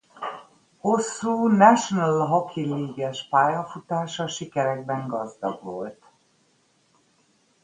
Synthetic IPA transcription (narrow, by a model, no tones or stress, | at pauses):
ho̞sːuːnɛʃonəlɦɒkʰiliːɡɛʃpaːjɒfut̪aːʃɒʃikɛɾɛɡ̚bɛŋɡɒzd̪ɒ̰ɡʋo̞lt̪